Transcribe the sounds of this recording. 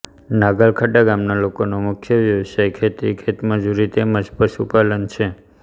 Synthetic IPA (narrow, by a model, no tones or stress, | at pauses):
naɡəlkʰəʈaɡamnalokonomʊkʰjəʋjəʋsajkʰet̪ikʰet̪mə̃d͡ʒuɾit̪eməd͡ʒpəʃupalənt͡ʃʰe